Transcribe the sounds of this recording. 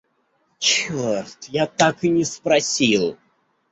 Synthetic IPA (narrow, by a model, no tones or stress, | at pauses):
t͡ɕort̪jat̪akɨnʲɪspɾɐsʲilˠ